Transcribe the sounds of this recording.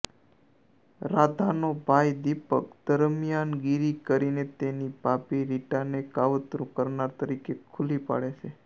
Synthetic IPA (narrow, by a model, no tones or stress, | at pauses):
ɾad̪ʱanobʱajd̪ipəkd̪̥əɾmjanɡiɾikəɾinet̪enipapiɾiʈanekaʋət̪ɾũkəɾnaɾt̪əɾikekʰulipa̰ɭet͡ʃʰe